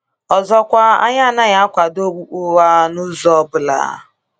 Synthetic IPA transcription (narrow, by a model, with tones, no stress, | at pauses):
ɔ˨zɔ˦kʷa˦a̰˦ɲa˦˨na˦ɲa˦kʷa˨do˦ɡ͡bu˦k͡pu˦wa˦nu˦zɔ˦bʊ˨la̰˨